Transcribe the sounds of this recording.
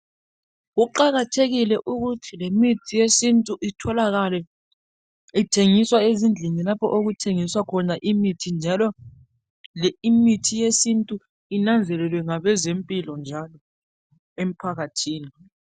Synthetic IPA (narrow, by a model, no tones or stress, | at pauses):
ɣuǃaɣatʰeɣilɛʔuɣutʰilemitʰijesintʼuʔitʰɔlaɣalɛ | itʰeŋiswaezind͡ɮʱinilapʰɔ̰ʔoɣutʰeŋiswakʰɔnaʔimitʰind͡ʒʱalɔ | lɛimitʰijesintʼu | inand͡zʱɛlɛlwɛŋaβɛzempʼilɔnd͡ʒʱalɔ | em̩pʰaɣatʰiːni